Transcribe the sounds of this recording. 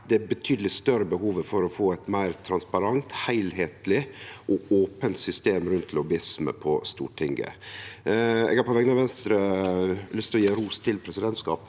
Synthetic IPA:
d̪ɛæbət̪ʰyːd̪əlɪst̪œɾəbəhuːʋəfɔɾɔfoːɛɪt̪mæɪɾt̪ʰɾɑnspɑɾɑŋt̪hæɪlɦeːt̪ʰlɪʔɔoːpənt̪sʏst̪eːmɾʉnt̪lʊbɪsmə̰pʰɔst̪ṵːʈʰɪŋɡə̰ | ɛ̰ɡhɑɾpʰɔʋɛɡənɑʋɛnst̪ɾəlʏst̪ʰɔjeːɾuːst̪ʰɪlpʰɾɛsɪd̪ɛnt̪skɑ̰ːp

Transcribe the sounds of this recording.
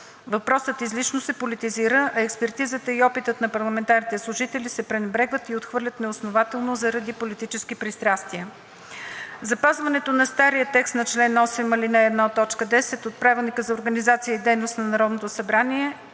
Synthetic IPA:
vɐpɾɔsət̪izlit͡ʃnosɛpolit̪iziɾəʔɛkspɛɾt̪izət̪əiɔpit̪ət̪nɐpɐɾlˠɐmɛnt̪aɾnit̪ɛslˠʊʒit̪ɛlisɛpɾɛnɛbɾɛɡvət̪iot̪xvɤɾlʲət̪nɛosnovat̪ɛlˠnozəɾɐd̪ipolit̪it͡ʃɛskipɾist̪ɾast̪iə | zɐpazvɐnɛt̪onɐst̪aɾijət̪ɛkst̪nɐt͡ʃlɛnɔsɛmɐlinɐɛd̪nat̪ɔt͡ʃkəd̪ɛsɛt̪ot̪̚pɾavɛlˠnikəzɐoɾɡənizat̪sijəid̪ɛjnost̪nɐnɐɾɔd̪not̪osɐbɾaniɛ

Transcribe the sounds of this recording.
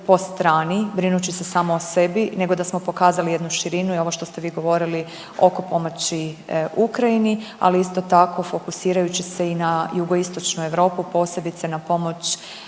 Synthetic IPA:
po̞st̪ɾaːnibɾinut͡ɕise̞saːmoːse̞bine̞ɡo̞d̪asmo̞po̞kaːzalije̞d̪nuʃiɾinuio̞ʋoʃt̪o̞st̪e̞ʋiːɡo̞ʋo̞ɾili | o̞ko̞po̞mot͡ɕiukɾainia̰liist̪o̞t̪ako̞fo̞kusiːɾajut͡ɕise̞inajuɡo̞ist̪o̞t͡ʃnue̞ʋɾo̞ːpupo̞ːse̞bit̪se̞napo̞mo̞t͡ɕ

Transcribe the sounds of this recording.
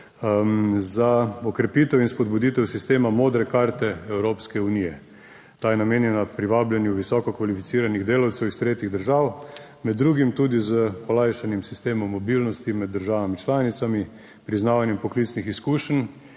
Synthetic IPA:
zaɔkɾɛpiːt̪ɛwinspɔd̪bud̪it̪ɛwsist̪eːmamoːd̪ɾɛkaɾt̪ɛɛwɾoːpskɛuniːjɛ | t̪aːjɛnameːnjɛnapɾiʋaːblɛnjuʋisɔkɔkʋalifit̪siːɾaniɣd̪eːlawt̪sɛwist̪ɾeːt̪jiɣd̪əɾʒaːw | mɛd̪ːɾuːɡimt̪uːd̪izəpɔlajʃanɛmsist̪eːmɔmːɔbilnɔst̪imɛd̪ːəɾʒaːʋamit͡ʃlaːnit̪sami | pɾiznaːʋanjɛmpɔklit̪snixiskuːʃən

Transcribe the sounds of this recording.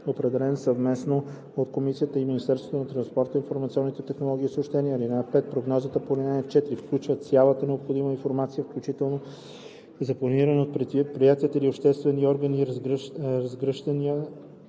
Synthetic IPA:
opɾɛd̪ɛlɛnsɐvmɛsno | ot̪komisijət̪əiminist̪ɛɾst̪vot̪onɐt̪ɾɐnspɔɾt̪əinfoɾmɐt̪siɔnːit̪ɛt̪ɛxnolˠɔɡʲiːsoʃt̪ɛniəːlinapɛt̪̚pɾoɡnɔzət̪əpolinaɛft͡ʃɛt̪ɾifklʲut͡ʃvət̪sʲalˠət̪ənɛopxod̪iməinfoɾmat̪sijəfklʲut͡ʃit̪ɛlˠno | zɐplˠɐniɾənot̪̚pɾɛpɾijat̪iət̪əiliopʃt̪ɛst̪vɛnːiɔɾɡəniɾɾɐzɡɾəʃt̪ɐniə

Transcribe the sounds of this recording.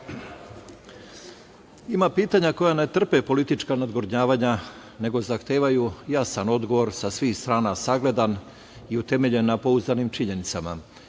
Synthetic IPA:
imapiːt̪aɲako̞jane̞t̪r̩pepo̞lit̪it͡ʃkanad̪ɡoɾɲaːʋaɲa | ne̞ɡo̞zaxt̪eːʋajujasano̞d̪ɡo̞ʋo̞ɾsasʋiːxst̪ɾaːnasaɡle̞d̪an | iut̪e̞me̞ʎe̞nːapo̞uzd̪animt͡ʃiɲe̞nit̪sama̰

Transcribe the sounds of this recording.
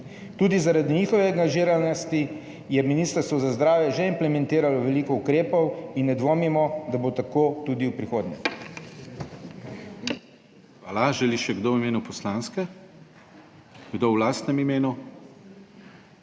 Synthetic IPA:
t̪uːd̪izaɾad̪iniːxɔʋɛaŋɡaʒiːɾalnɔst̪i | jɛminiːst̪əɾst̪ʋɔzazd̪ɾaːwjɛʒɛimplɛmɛ̃nt̪iːɾalɔʋɛlikɔukɾeːpɔwinːɛd̪ʋoːmimɔd̪abot̪akoːt̪ud̪iwpɾixoːd̪ɲɛ̰ | xʋaːlaʒɛliʃɛɡd̪owimeːnupɔslaːnskɛ | ɡd̪owlaːst̪nɛmimeːnu

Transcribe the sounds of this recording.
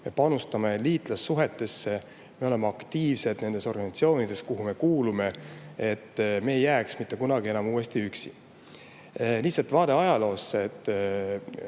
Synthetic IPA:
me̞pɑnust̪ɑme̞liːt̪ˑlɑsːuɦe̞t̪ːˑe̞sːe̞ | me̞le̞meɑkt̪iːvsed̪̥ne̞nd̪̥e̞so̞rɡ̥ɑnɑt̪sio̞ːnid̪̥e̞skuɦume̞kuːlume̞e̞t̪ːme̞ːjːæːksmit̪ːe̞kunɑɡie̞nɑmuːe̞st̪iyksi | lisɑlt̪vɑːd̪̥e̞ɑjɑlo̞ːsːet̪ː

